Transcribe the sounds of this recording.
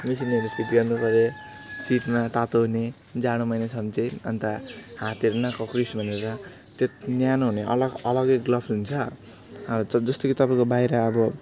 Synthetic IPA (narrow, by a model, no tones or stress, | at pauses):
mis̬ineɾetʰiʈɡʌrnupʌɾe | siʈmat̪at̪oɦune | d͡zaɽ̃omʌjnasʰʌmt͡sʌʌ̰nt̪ahãt̪eɾnakʌkrisbʱʌneɾɾʌ | t̪et̪njanoɦuneʔʌ̰lʌɡʌlʌɡeɡlʌbʰɦunt͡sʰʌ | ʌd͡zʌst̪okit̪ʌpaĩkobajɾʌːbʌ